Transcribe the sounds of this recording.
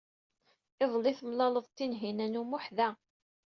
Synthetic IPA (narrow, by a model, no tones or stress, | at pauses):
ɪðˤlːɪθəmlɑləðˤt̪ːinɦinænumʊħðæ